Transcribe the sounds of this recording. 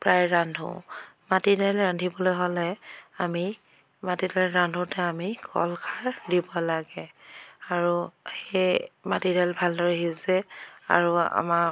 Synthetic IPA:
pɹajɹandʱṵmatidɛlɹandʱibɔlojɦolɛami | matidɹandʱutɛamikʰɔ̰lkʰaɹdibɔlaɡɛaɹuxejmatidɛlbʱaldɔɹɛɦizɛa̰ɹua̰maɹ

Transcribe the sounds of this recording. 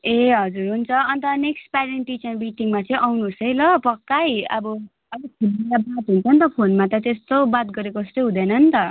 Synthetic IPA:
eɦʌd͡zuɾɦunt͡sʰʌʌnt̪ʌneksʈpaɾeɳʈit͡sʌrmiʈiŋmat͡sʌĩʔawnuːsʌjlʌpʌkːajʌ̰bʌ | ʌbʌkʰibilabat̪ɦunt͡sʰʌnt̪ʌpʰonmat̪ʌt̪est̪obat̪ɡʌɾekost̪oɦũd̪ʌnʌnt̪ʌ

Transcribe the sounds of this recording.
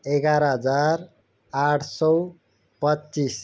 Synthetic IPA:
eɡaɾɦʌd͡zaɾ | aʈʰsʌw | pʌtːt͡ʃis

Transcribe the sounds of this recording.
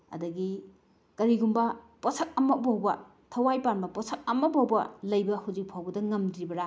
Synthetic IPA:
ɐ̰dɐɡi | kɐɾiɡumbɐ | posɐk̚ɐmɐk̚bawbɐ | tʰɐwajpanbɐposʰɐk̚ɐmɐk̚bawbɐlɐjbɐhawd͡ʒik̚pʰawbɐdɐŋɐmdɾibɐɾa

